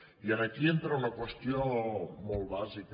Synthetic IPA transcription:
iənakient̪ɾaunɐkwest̪jomolˠβazik

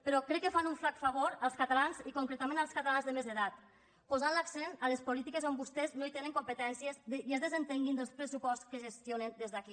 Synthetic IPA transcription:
pəɾɔkɾɛkːəfanuɱflakfaβoɾəlˠskat̪alanzikuŋkɾet̪amenəlˠskat̪alanzðəmezðəðat̪ | pozanlaksenaləspolit̪ikezombust̪eznoit̪enəŋkompət̪ɛnsiəzd̪ejezðəzənt̪eŋɡind̪əlˠspɾəsupɔstskəʒest̪ionənd̪ezðaki

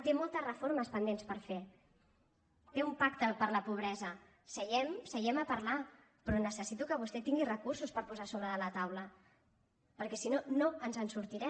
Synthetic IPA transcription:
t̪emolˠt̪əzrəfoɾməspənd̪enspəɾfe | t̪eumpakt̪əpəɾləpuβ̞ɾɛzə | səjɛmsəjɛməpəɾla | pɾɔnəsəsit̪ukəβust̪ɛt̪iŋɡirəkursuspəɾpuzasoβ̞ɾəðələt̪awlə | pəɾkɛsinonoənzənsuɾt̪iɾɛ

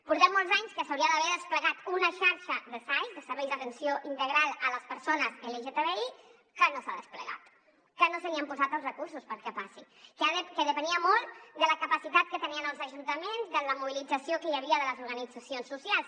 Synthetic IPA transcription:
puɾt̪ɛmmːolˠzaɲskəsəwɾiəðəβɛɾðəspləɣat̪unəʃaɾʃəðəsajzðəsəɾβɛjzðət̪ənsjoʔint̪əɣɾalˠələspəɾsonəzeleʒet̪eβei | kənosaðəsplə̰ɣa̰t̪ | kənosəɣiəmpuzat̪əlˠzrəkursuspəɾkɛpasi | kkəðəpəniəmɔlˠt̪d̪ələkəpəsit̪at̪̚kət̪əniənəlˠzəʒunt̪əmenzd̪ələmuβ̞ilid͡zəsiokəjəβ̞iəðələzuɾɣənid͡zəsionsːusjalˠs

